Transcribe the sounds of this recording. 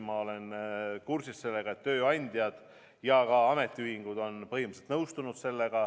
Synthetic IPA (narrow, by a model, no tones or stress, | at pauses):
mɑo̞le̞nkursisse̞lːe̞ɡ̥ɑe̞t̪ːø̞ːɑnʲd̪̥ʲjɑd̪̥ | jɑkɑɑme̞t̪ːˑiyhiŋɡ̥ud̪o̞npɤɦimselt̪nɤwst̪unud̪̥se̞lːe̞ɡ̥ɑ